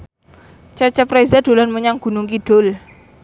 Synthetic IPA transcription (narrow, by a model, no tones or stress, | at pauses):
t͡ʃat͡ʃəprezad̥o̤lanməɲaŋɡ̥ṳnʊŋkiɖ̥ʊ̤l